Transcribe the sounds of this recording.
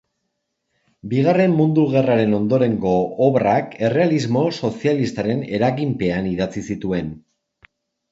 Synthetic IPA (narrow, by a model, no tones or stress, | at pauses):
biɣ̞are̞mːund̪uɣe̞raɾe̞no̞nd̪o̞ɾe̞ŋɡo̞ːβrake̞re̞alizmo̞so̞sialist̪aɾe̞ne̞ɾaɣimpe̞aniðat͡sisit̪ue̞n